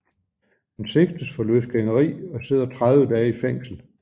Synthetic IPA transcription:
hense̝ɡ̥̚d̥əsfɒ̽løsɡ̥eŋəʁḭːɒ̽se̝ð̰ˠɐt͡sʰʁaðˠʋəd̥ɛːifeŋ̰sl̩

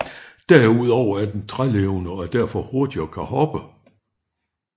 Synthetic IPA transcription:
d̥æɐuð̞̰ˠɒʊ̰ɐæɐd̥ent͡sʰʁaleʊnəɒɐd̥æɐ̰fɒ̽ho̝ɐd̥iɒkʰæhɒ̽b̥ə

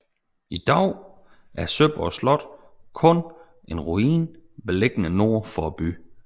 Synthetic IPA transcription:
id̥ɑʊ̰ | ʔæɐsøb̥ɒslɒ̽d̥ | kʰɔ̽n | e̝nʁuiːnʋeleɡ̥ənəno̝ɐ̰fɒb̥y

